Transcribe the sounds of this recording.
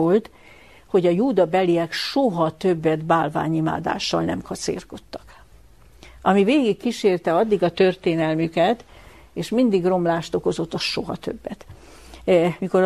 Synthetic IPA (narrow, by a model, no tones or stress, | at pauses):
olt̪ | ho̞ɟɒjuːd̪ɒbɛliɛkʃoɦɒt̪ø̞bːɛd̪baːlva̰ːɲima̰ːd̪a̰ːʃːɒ̰lnɛmkɒt̪sḛːrko̞t̪ːɒ̥k | ʔɒmiveːɡikːiʃeːrt̪ɛɒd̪ːiɡɒt̪ørt̪eːnɛlmykɛt̪ | eːʃmind̪iɡro̞mlaːʃt̪o̞ko̞zo̞t̪ːɒʃoɦɒ̰t̪ø̞bːɛt̪ | miko̞ɾ